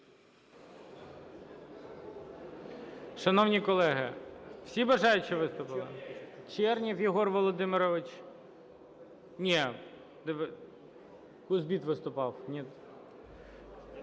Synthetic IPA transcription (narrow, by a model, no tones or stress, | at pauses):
ʃɐnɔwnʲikɔlˠɛɦɪw̥sʲibɐʒɑjʊt͡ʃiʋɪst̪ʊpɪlˠɪt͡ʃɛrnʲiwjiɦɔrʋɔlˠɔd̪ɪmɪɾɔʋɪt͡ʃ | nʲɛ | d̪ɛʋ | kʊzbʲit̪ʋɪst̪ʊpɑwnʲit̪